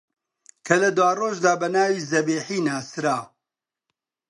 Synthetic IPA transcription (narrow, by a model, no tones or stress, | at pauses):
kʰɐlɐd̪waːroːʒd̪aːbɐnaːwiːzɐbiːħiːnaːsɨɾaː